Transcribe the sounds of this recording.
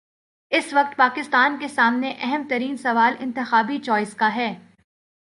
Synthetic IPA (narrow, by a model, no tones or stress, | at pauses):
ɪsʋɐk̚t̪̚paːkɪst̪aːnkesaːmneʔɛɦɛmt̪ɐɾiːnsɐʋaːlɪ̰̃nt̪ɪxaːbit͡ʃɔːɪskaɦɛː